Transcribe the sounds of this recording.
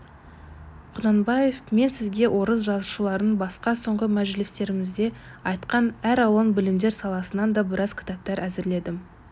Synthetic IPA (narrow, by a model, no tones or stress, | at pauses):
qʰʊnɑnbɑje̞fme̞nsɪzɡʲe̞wʔo̞ɾəsʒɑzuʃəlˠɑɾənbɑsqɑso̞ɴʁəmæʒlɪst̪e̞ɾɪmɪzd̪e̞ | ɑjt̪qɑnæɾɑw̪ˠənbɪlɪmd̪e̞ɾsɑlˠɑsənɑnd̪ɑbɪɾɑzkʲʰɪ̥t̪ɑp̚t̪ɑɾæzɪɾle̞d̪ɪm